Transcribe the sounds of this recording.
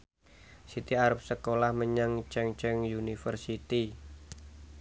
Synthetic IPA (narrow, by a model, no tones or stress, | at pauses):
sit̪iaɾəp̚səkolahməɲaŋt͡ʃɛŋt͡ʃɛŋjunifərsit̪i